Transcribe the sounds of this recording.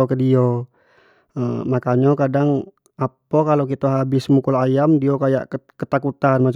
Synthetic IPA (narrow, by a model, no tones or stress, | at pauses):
okədio | əmakaɲokadaŋ | apokalok̬it̪aɦabɪsmukulajamdiokaja̰ʔkət̪akut̪anmat͡ʃ